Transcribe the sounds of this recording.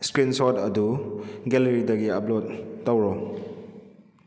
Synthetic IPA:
skɾinsodɐduɡeleɾidɐɡiɐplotːɐwɾɔ

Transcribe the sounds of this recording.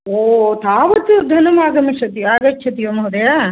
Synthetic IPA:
oːt̪aːʋɐt̪ɯd̪ʱɐnɐmaːɡɐmɐʂɐt̪̬iaːɡɐt͡ʃːt͡ʃʰɐt̪ijɐmɐɐd̪ɐjaː

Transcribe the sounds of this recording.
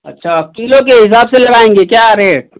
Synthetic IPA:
ɐtːʃʰakiːlõk̬eɦɪs̬aːbselɐɡaːẽːŋɡekjaːɾeːʈ̚

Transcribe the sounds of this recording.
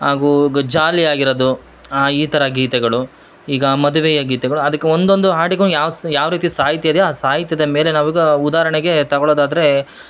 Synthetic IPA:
aːɡuɡɐd͡ʒaːliaːɡiɾɐd̪u | aːiːt̪ɐɾɐɡiːt̪ɛɡɐɭu | iːɡɐmɐd̪uʋɛjɐɡiːt̪ɛɡɐɭuɐd̪ɐkːeond̪o̞nd̪uɦaːɽiɡɐnjaːʋsjaːʋɾiːt̪isaːɦit̪jɐd̪eaːsaːɦit̪jɐd̪ɐme̞ːle̞naːʋiɡɐud̪aːɾɐɳɛɡe̞t̪ɐɡɔɭoːd̪aːd̪ɐɾe̞

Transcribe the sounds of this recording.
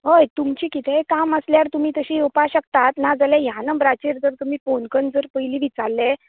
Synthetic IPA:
ɦəjt̪umt͡ɕiːkit̪ʰɛkaməsljaɾt̪um̤iːt̪əɕiːewpaɕək̚t̪at̪nad͡zalajanəbɾat͡ɕeɾd͡z̪əɾt̪um̤iːponkənd͡zəɾpəjliːʋit͡saɾle

